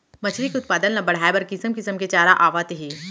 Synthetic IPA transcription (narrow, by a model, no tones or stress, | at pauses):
mɐt͡ʃʰɾikʊt̪̚paːd̪ənnɐbɐɽ̤aːebɐɾkɪsəmkɪsəmket͡ʃaːɾaʔaːʋaːt̪ɦiː